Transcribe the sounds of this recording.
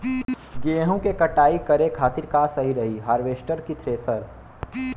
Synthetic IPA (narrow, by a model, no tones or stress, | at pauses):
ɡeːɦõkekɐʈaːikɐɾekʰaːt̪ɪɾkaːsɐɦiɾɐɦiɦaːɾʋeːʃʈəɾkit̪ʰɾesɐɾ